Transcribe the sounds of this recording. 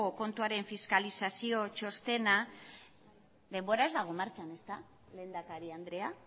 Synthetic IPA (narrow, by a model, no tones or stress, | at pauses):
oko̞nt̪uaɾe̞ɱfiskalisasio̞t͡ʃo̞st̪e̞na | ðe̞mbo̞ɾae̞zd̪aɣ̞o̞maɾt͡ʃane̞st̪a | le̞ːnd̪akaɾiand̪ɾe̞a